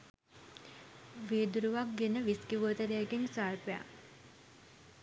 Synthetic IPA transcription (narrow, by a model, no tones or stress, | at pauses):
ʋeːd̪uɾuʋak̚ɡenəʋiskiʋuət̪əɾejəɡeŋsaːɾpeja̰